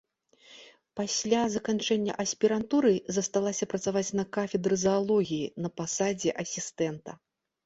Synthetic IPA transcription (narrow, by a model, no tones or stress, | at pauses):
pasʲlʲazɐkant͡ʂɛnʲːɐ̰ʔɐsʲpʲiɾant̪uɾɨzɐst̪alˠasʲɐpɾɐt̪savat͡sʲnɐkafʲɛd̪ɾɨzɐalˠɔɣʲijinɐpasad͡zʲɛʔɐsʲist̪ɛnt̪ɐ̰